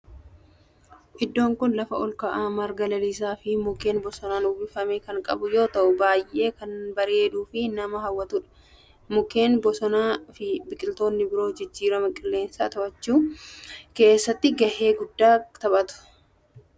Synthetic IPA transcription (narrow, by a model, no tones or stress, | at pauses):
ʔɪd̪ːo̞ːŋkʊnlɐfɐʔɔlkɐʔaːmɐɾɡɐlɐliːs̬aːfɪmʊke̞ːnbɔsɔnaːnʊbɪfɐmekɐŋkʼɐbʊjo̞ːt̪ɐʔʊbaːjʔe̞ːkɐnbɐɾe̞ːd̪uːfɪnɐmɐɦɐwːɐt̪uːᶑɐ̥ | mʊke̞ːnbɔsɔnaːfɪbɪkʼɪlt̪o̞ːnːɪbɪɾo̞ːd͡ʒɪd͡ʒːiːɾɐmɐkʼɪlːe̞ːnsa̰ːt̪ɐʔɐt͡ʃːuː | ke̞ːsːɐt̪ːɪɡɐhe̞ːɡʊd̪ːaːt̪ɐbɐt̪ʊ̥